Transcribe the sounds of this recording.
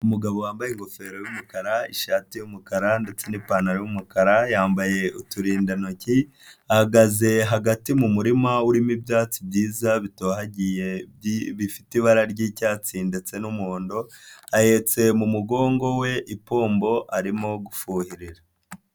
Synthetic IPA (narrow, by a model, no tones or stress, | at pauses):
umuɡaβo̞waːmbajeŋɡo̞fe̞ːɾojumukaɾaiʃaːtijumukaɾande̞t͡se̞nipaːnaɾojumukaɾajaːmbaje̞ʔutuɾiːndanoci | ahaɡaze̞ɦaɡatimumuɾimauɾimibjaːt͡sibɟiːzaβitoːɦaɟijeβifitiβaɾaɾɟiːcaːt͡siːndet͡se̞numoːndo̞ahet͡se̞mumuɡo̞ːŋɡo̞we̞ʔipo̞ːmbo̞ʔaɾimo̞ɡufuːhiɾiɾa